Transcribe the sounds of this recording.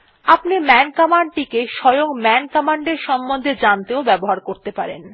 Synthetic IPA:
apnimɛnkɔmaɳɖ̚ʈikeʃɔjoŋmɛnkɔmaɳɖeɾʃɔmbond̪ʱed͡ʑant̪eobɛboɦaɾkoɾt̪epaɾḛn

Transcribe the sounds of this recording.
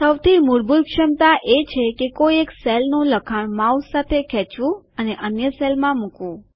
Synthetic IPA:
səwt̪ʰimuɾbʱuɾkʃəmt̪aʔet͡ʃʰekekoieksɛlnuləkʰaɳmaussat̪ʰekʰɛt͡ʃʋũ | əneʔənjəsɛlmãmũkʋũ

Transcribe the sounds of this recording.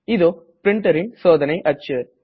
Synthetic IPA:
ɪðoː | pɾɪɳʈɐɾɪnsoːðɐnɐɪʔɐt͡ʃːɯ

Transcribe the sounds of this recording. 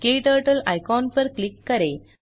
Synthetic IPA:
keʈ̪əɾʈəlajkɔnpəɾklikːɐɾe

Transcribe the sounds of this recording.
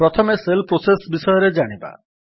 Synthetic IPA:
pɾɔt̪ʰɔmeselpɾosesbisɔjɔɾed͡ʒaɽ̃iba̰

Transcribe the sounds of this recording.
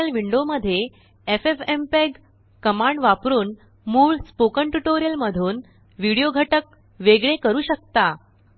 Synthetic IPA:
əlʋiɳɖoməd̪ʱːje | efefempeɡ | kəmãɳɖʋapɾuːn | muːɭspokəɳʈuʈoɾijəlməd̪ʱuːn | ʋiɽijoɡʱəʈək̚ | ʋeɡɭekəɾuːɕək̚t̪a

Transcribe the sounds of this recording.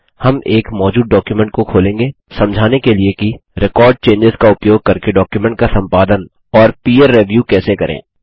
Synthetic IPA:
hɐmeːkmɔːd͡ʒuːd̪̚ɖɔːkjumɛ̃ɳʈ̚kokʰoːlẽːŋɡe | sɐ̃md͡ʒʱaːnekeliekiɾɪkɔːɾɖ̚t͡ʃẽːɲd͡ʒɪzkaʊpjoːɡ̚kɐɾkeɖɔːkjumɛ̃ɳʈ̚kasɐ̃mpaːd̪ən | ɔːɾpiːeɾːeʋjuːkɛːsekɐɾʔḛ̃ː

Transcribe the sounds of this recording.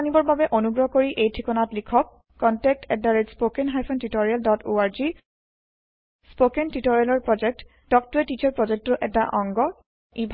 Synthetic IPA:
anibɔɹbabɛʔonuɡɹɔkoɹiʔejtʰikɔnatlikʰɔk̚ː | ɔntɛk̚tɛk̚daɹed͡ʒspokɛnɦajpʰɔntitɔɹialdɔto̰aɹzi | spokɛntitɔɹialɔɹpɹɔd͡ʒɛk̚t | d̥ɔk̚tuɛtit͡ʃaɹpɹɔd͡ʒɛk̚tɔʔɛ̰taʔɔŋɡɔ | ibʱ

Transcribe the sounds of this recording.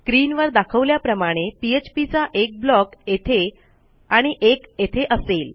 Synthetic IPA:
kɾiːnʋəɾd̪akʰəʋljapɾəmaɽ̃epiet͡ɕpit͡saʔek̚blɔket̪ʰe | aɽ̃iʔeket̪ʰeʔəsel

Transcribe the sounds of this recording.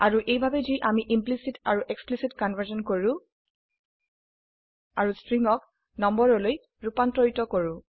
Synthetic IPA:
aɹuʔejbʱabɛziʔamiʔimplisitaɹuʔeksplisitkɔnvʱəɹzɔnkoɹũ | aɹustɹiŋɔk | nɔmbɔɹɔloj | ɹupantɹɔitɔkoɹʊ̃

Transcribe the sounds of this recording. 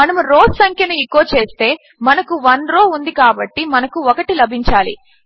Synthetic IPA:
ɐnɐmuɾoːssɐŋkʰjɐnuikːoːt͡ʃe̞ːst̪e̞ː | mɐnɐkuʋɐnɾo̞ːund̪ikaːbɐʈːimɐnɐkuɔkɐʈilɐbʱiɲt͡ʃaːlḭ

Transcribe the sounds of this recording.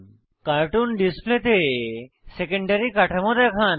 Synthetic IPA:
kaɾʈunɖisplet̪e | sekəɳɖɐɾikaʈʰamɔt̪akʰan

